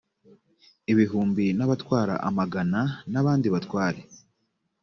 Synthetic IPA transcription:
iβiɦuːmbinaβatwaːɾa̰ʔamaɡananaβaːndiβatwaːɾe

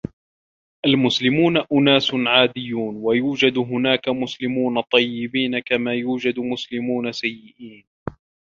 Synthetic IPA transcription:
ʔalmʊslɪmuːnaʔʊnaːsnʕaːd̪ɪjːuːnwajuːd͡ʒad̪ɦʊnaːkamʊslɪmuːnat̪ˤːɑjːɪbiːnakamaːjuːd͡ʒad̪mʊslɪmuːnasajːɪʔiːn

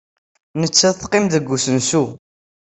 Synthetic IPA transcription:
nət͡sːæðθqɪmðəɡːusənsu

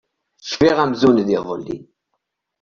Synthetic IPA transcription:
θə̥ʃfiʁæmzunðiðˤəlːḭ

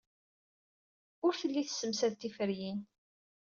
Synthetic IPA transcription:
ʊɾθəlːiθə̥sːəmsæðt̪ːifəɾjin

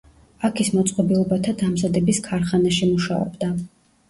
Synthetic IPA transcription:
akʰismɔt̪sʼqʼɔbilˠɔbat̪ʰad̪amzad̪ɛbiskʰaɾχanaʃimuʃa̰ɔ̰bd̪a

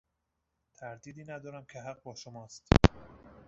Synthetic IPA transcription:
t̪ʰæɾd̪iːd̪iːnæd̪ɒːɾæmcʰeɦæɢ̚bɒːʃomɒːst̪

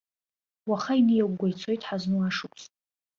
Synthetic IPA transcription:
waχainɨjaɡʷɡʷajt͡sʰo̞jtʼħaznuaʂɨkʷʰʼsʼ

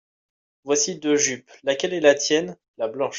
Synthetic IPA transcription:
vwasid̪øʒyplakʲɛlɛlat̪jɛn | lablɑ̃ʃ

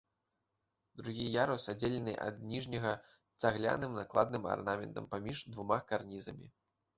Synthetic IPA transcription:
d̪ɾuɣʲijaɾusad͡zʲelʲɛnɨʔɐ̰d̪̚nʲiʐnʲɐɣɐ | t̪saɣlʲa̰nɨmnaklˠad̪̚nɨma̰rnamʲɛnt̪ɐ̰mpamʲiʐd̪vumakarnʲizɐmʲḭ

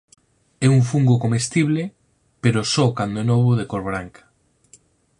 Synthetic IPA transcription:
ɛuɱfuŋɡokomest̪iβle | peɾosɔkand̪oɛnoβ̞oð̞ekoɾβɾaŋkḁ

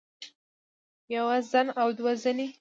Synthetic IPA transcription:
jawazanawd̪wazani

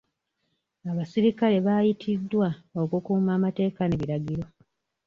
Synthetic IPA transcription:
aβasiɾikale̞βaːjitʰidːwaokukuːmaːmate̞ːkaneβiɾaɡiɾo̞

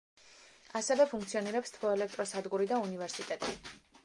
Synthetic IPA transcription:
asɛvɛpʰuŋk̚ʰt̪sʰiɔniɾɛpst̪ʰvɔɛlɛk̚t̪ʼɾɔsad̪ɡuɾid̪aunivɛɾsit̪ʼɛt̪ʼi

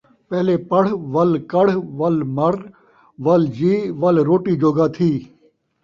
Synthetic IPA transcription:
pɛːleːpɐɽ̤ʋɐlkɐɽ̤ʋɐlmɐɾ | ʋɐld͡ʑiːʋɐlɾoːʈiːd͡ʒoːɡaːt̪ʰiː

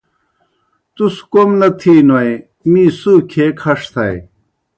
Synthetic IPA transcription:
t̪uskomnɐt̪ʰiːnwɐj | miːsuːkʰekʰɐʂt̪ʰɐe

